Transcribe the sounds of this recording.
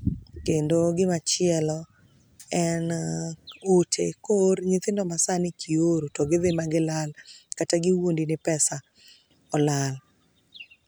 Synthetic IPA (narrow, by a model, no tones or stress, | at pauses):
kendoɡɪmat͡ʃɪɛlɔ | ɛn | otʰḛkorɲɪt̪ɪndɔmasanɪkʰioɾotɔɡɪðɪmaɡɪlalkataɡɪwondinɪpɛsa | ɔlal